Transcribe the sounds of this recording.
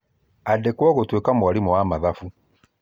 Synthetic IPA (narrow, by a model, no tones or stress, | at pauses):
adekwaɣotwekamuwalimuwamaðafu